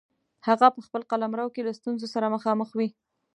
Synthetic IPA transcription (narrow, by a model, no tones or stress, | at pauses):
haɣapəxpəlqalamɾawkelast̪unzosaɾaməxɑməxwi